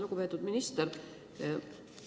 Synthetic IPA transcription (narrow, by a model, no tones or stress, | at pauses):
luɡ̥upe̞ːt̪ːˑud̪minist̪eɾ